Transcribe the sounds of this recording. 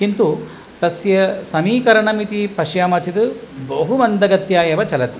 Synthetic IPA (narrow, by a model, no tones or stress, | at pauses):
kint̪u | t̪ɐsjɐsɐmiːkɐɾɐɳɐmit̪ipɐʃjaːmɐɾt͡ʃid̪ɨbɐɦuʋɐnd̪ɐɡɐt̪jaːjɐʋɐt͡ʃɐlɐt̪i̥